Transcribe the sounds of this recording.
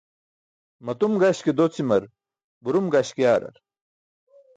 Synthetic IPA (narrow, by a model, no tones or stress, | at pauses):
mɐt̪umɡaɕked̪ot͡simɐɾ | buɾumɡaɕkjaːɾɐ̰ɾ